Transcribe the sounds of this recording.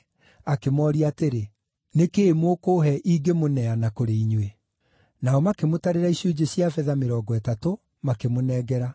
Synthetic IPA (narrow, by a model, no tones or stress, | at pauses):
akemɔɾiaːteɾe | nekeːmoːkoːɦɛʔiɡemonɛanakoɾeiɲwe | naɔmakemotaɾeɾaiɕjod͡ʑeɕjafɛðameɾɔːɡɔɛtato | makemonɛːɡɛɾa